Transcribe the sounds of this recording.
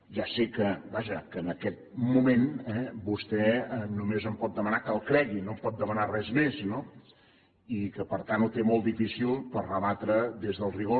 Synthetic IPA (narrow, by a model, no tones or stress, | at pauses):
ʒasikəbaʒəkəːnəkɛt̪̚mumenɛbust̪ɛənumezəmpɔt̪̚d̪əmənakəlˠkɾɛɣinompɔt̪̚d̪əmənarɛzmezno | ikəpəɾt̪anut̪emolˠd̪ifisilˠpərrəβat̪ɾəðezðəlˠriɣo